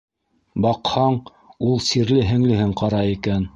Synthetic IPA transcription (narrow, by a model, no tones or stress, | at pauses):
bɑqhɑɴ | ulˠsiɾlɘɦɘ̆ŋlɘ̆ɦɘɴqɑɾɑikæn